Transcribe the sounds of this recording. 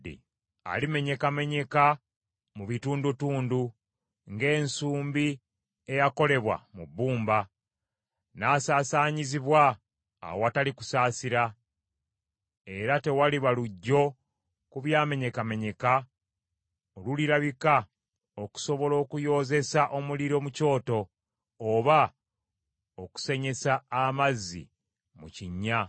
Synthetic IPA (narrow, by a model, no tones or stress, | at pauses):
ḭ | a̰lime̞ɲe̞kame̞ɲe̞ka | muβituːndutuːndu | ŋɡe̞ːnsuːmbi | e̞jako̞le̞βwa̰mubːuːmba | naːsaːsaːɲiziβwa̰ː | wowataliku̥saːsiɾa | e̞ɾate̞waliβaluɟːo̞ | kuβjaːme̞ɲe̞kame̞ɲe̞ka | oluliɾaβika | o̞ku̥so̞βo̞lo̞ːkujo̞ːze̞saʔomuliɾo̞muco̞ːto̞ː | βa | o̞ku̥se̞ɲe̞saːmazːḭ | muciɲːa